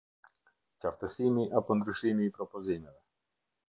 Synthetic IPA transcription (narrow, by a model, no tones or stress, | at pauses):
t͡ʃaft̪əsimiʔapɔnd̪ɾyʃimiːpɾɔpɔzimɛvɛ